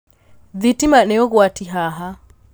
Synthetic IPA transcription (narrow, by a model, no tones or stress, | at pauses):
ðitimanɛɔɣwatiɦaɦa